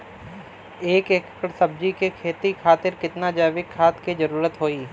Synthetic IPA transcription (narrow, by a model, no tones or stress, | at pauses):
eːkeːkkəɽsɐb̚d͡ʒikekʰeːt̪ikʰaːt̪ɪɾkɪt̪nad͡ʒaːʋɪkʰːaːt̪kid͡ʒɐɾuːɾət̪ɦoːiː